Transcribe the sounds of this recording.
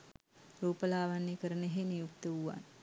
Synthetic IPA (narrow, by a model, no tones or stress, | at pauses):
ruːpəlaːʋanːekəɾəneɦenijukt̪əuʋa̰n